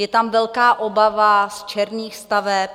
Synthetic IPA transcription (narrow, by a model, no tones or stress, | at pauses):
jɛt̪amvɛlkaːʔobavast͡ʃɛɾɲiːxst̪avɛp̚